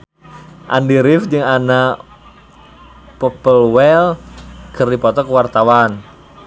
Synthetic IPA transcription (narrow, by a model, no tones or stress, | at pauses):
ʔa̰ndiɾɪfd͡ʒɨŋanaʔ | pɔpəlwɛlɡ̥ərdipɔt̪ɔkəwart̪awan